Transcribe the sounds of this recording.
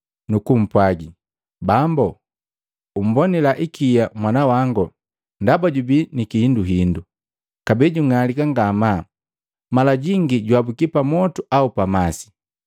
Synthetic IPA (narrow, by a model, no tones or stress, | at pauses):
nukum̩pwaɡi | bambɔ | um̩bɔnilaʔikijamwanawaŋɡɔ | ndabaɟubinikihinduɦindu | kabɛɟuŋalikaŋɡama | malaɟiŋɡiɟwabukipamɔtuʔaupamasi̥